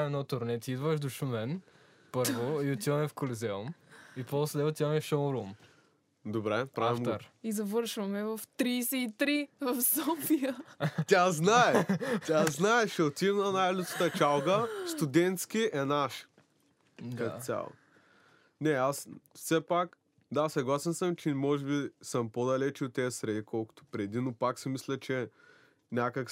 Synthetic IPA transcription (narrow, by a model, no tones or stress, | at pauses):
ɛnɔt̪ʊɾnɛt̪iid̪vəʃd̪oʃumɛn | pəɾvoiot̪ivɐmɛfkolizɛumiposd̪ɛʊt̪iɐmɛfʃoɾum | d̪obɾɛpɾaavifmɡ̪t̪oɾizɐvɤɾʃvɐmɛvɐft̪ɾiːsɛit̪ɾivɐfsɔfijəaznaɛt̪ʲaznaɛʃɛot̪imnɐnajlʲut̪skə̥t̪ət͡ʃalˠɡəst̪ud̪ɛnt̪skʲiʔɛnaʃ | kasʲa̰lˠo̰ | nɛasfsɛpak | d̪asɐɡlˠasɛnsəmt͡ʃɛmɔʒɛbisəmpod̪ɐlɛt͡ʃʊt̪ːɛɐsɾɛd̪ikɔlˠkʊ̥t̪ʊ̥pɾɛd̪inopaksimislʲɛt͡ʃɛ | nʲakək